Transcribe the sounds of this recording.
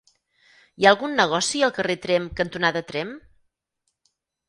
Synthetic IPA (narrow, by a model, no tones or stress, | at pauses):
jaəlˠɣunːəɣ̞ɔsiəlˠkəret̪ɾɛmkənt̪unaðət̪ɾɛm